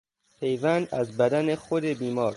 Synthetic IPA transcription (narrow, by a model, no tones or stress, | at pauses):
pʰe̞jvænd̪æzbæd̪ænexod̪ebiːmɒːɾ